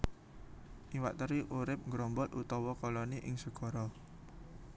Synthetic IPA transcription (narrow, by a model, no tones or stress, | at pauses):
ʔiwaʔt̪əɾiʔuɾɪp̚ŋɡɾɔmbɔt̪̚ʔut̪ɔwɔkɔlɔniʔɪŋsəɡ̥ɔ̤ɾɔ